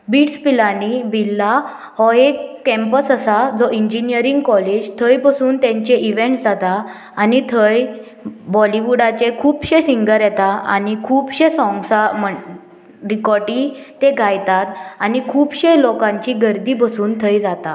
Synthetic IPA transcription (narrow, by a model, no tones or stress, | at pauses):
biːʈspilanibilːa | hɔɦekːɛ̃mpəsəsad͡zɔʔiɲd͡ʑinijəɾiŋɡkɔled͡ʑt̪ʰəjbəsuːnt̪jɛ̃ɲt͡ɕeʔiʋẽɳʈd͡zat̪aː | nit̪ʰəj | bɔliʋuɽat͡ɕekʰuːbɕesiŋɡəɾjɛt̪aa̰nikʰuːbɕesɔ̃ŋɡsamə | ɾikɔɾʈit̪eɡʱajt̪at̪anikʰuːbɕelɔkãɲt͡ɕiɡəɾd̪ibəsuːnt̪ʰəjd͡zat̪a